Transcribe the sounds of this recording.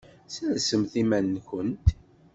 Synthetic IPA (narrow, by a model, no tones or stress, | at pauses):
sænsəmθimænːkənt̪